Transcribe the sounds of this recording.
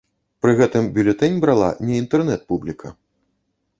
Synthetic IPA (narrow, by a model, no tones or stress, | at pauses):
pɾɨɣɛt̪ɨmbʲulʲɛt̪ɛnʲbɾalˠa̰nʲɛint̪ɛrnɛt̪̚publʲikʰɐ̰